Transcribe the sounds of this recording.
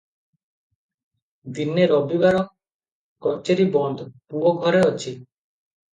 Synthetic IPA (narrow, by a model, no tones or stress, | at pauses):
d̪inːeɾɔbibaɾok | kɔɾt͡ʃeɾibɔnd̪ʱpuoɡʱɔɾeot͡ʃʰi